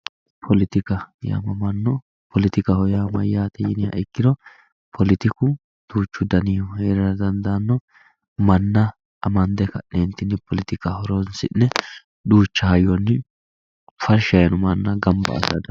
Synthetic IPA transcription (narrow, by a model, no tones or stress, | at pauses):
pʰɔlɪt̪ɪkɐja̰mɐmɐnːɔ | pʰɔlɪt̪ɪkɐhɔjaːmɐjːaːt̪ɛjɪnɪjɐ̰ɪkːɪd̪ɔ | pʰɔlɪt̪ɪkʊ | d̪̥uːt͡ʃːʊd̪ɐnɪjɔhɛɾɐɾɐd̪ɐnd̪ɐnːɔ | mɐnːɐ | ɐmɐnd̪ɛkɐent̪ɪnːɪpʰɔlɪt̪ɪkɐhɔɾonsɪnːɛ | d̪uːt͡ʃːɐhɐjɔnːɪ | fɐɾʃɐjɐnʊmɐnːɐɡɐmbɐ̰ːsɐd̪ɐ